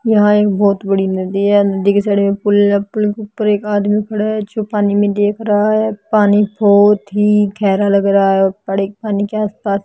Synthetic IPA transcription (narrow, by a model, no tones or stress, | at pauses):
jəɦãːekbɔːt̪bəɽiːnəd̪iːɦɛːd̪eːksɛːɽmẽːpʊlapʊlkʊpːəɾeːkaːd̪mĩːkʰəɽaːɦɛːt͡ʃoːpaːniːmẽːd̪eːkʰɾaːɦɛːpaːniːboːt̪ɦiːkʰɛːɾaːləɡɾaːɦɛːoːɾpəɽeːk̚paːniːkeaːspaːs